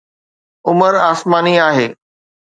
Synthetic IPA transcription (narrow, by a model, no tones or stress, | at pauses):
ʊməɾaːsmaːniaːɦeː